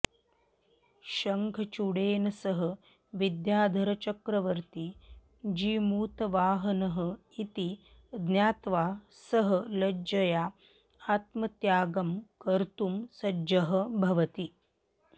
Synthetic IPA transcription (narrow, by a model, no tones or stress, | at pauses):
ʃɐŋkʰɐt͡ʃuɽeːnɐsɐɦɐ̆ | ʋid̪jaːd̪ʱɐɾɐt͡ʃɐkɾɐʋɐɾt̪i | d͡ʒiːmuːt̪ɐʋaːɦɐnɐɦɐ̆ | it̪i | d̪njaːt̪ʋaː | sɐɦɐ̆lɐd͡ʒɐjaː | aːt̪mɐt̪jaːɡɐmkɐɾt̪umsɐd͡ʒɐɦɐ̆bʱɐʋɐt̪i